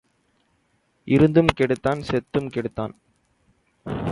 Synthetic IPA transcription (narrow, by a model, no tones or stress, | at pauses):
ʔɪɾɯnd̪ɯmkɛɽɯt̪ːaːnsɛt̪ːɯmkɛɽɯt̪ːa̰ːn